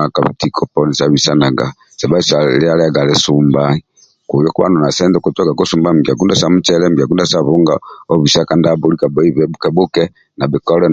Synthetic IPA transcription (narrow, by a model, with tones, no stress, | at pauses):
a˨ka˨βi˨ti˨kʰɔ˨pɔ˦ni˨sa˨βi˨sa˦na˨ɡa̰˨ | sɛ˨ba˦i˦˨sa˨lɛ˦a˦lɛ˦a˦ɡa˨lɛ˦su˨mba˦i | ku˨jɔ˦ku˦βa̰˦nɔ˨na˨sɛ˦ndɛ˦kɔ˨tɔ˦ɡa˨kɔ˦su˨mba˦˨m˨ɡa˨ku˦nda˦sa˦mu˦t͡ʃɛ˦lɛ˦m̩˨ɡa˨ku˦nda˦sa˦βɔ˦ŋɡaɔ˦βi˨sa˦ka˨˦nda˦bɔ˨˦li˦ka˨bɔ˦i˦βɛ˨bu˦kɛ˨bu˦kɛ˦ | na˨bɛ˨kɔ˦lɛ˦